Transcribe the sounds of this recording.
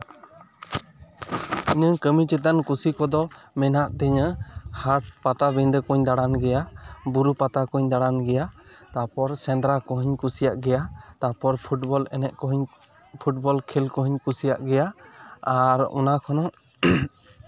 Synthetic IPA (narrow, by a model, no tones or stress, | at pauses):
iɲəkəmit͡ʃɛt̪ankusikɔd̪ɔmɛnaʔt̪ɛɲəhaʈ̚pat̪abɛnd̪əkuɲd̪aɽanɡɛjabuɾupat̪akuɲd̪aɽanɡɛjat̪apɔɾsɛ̃nd̪ɾakɔɦiɲkusijaʔɡɛjat̪apɔɾpʰuʈbɔlɛnɛʔkɔɦɲ | pʰuʈ̚bɔlkʰɛlkɔɦiɲkusijaʔɡɛjaaɾɔ̰nakʰɔnɔ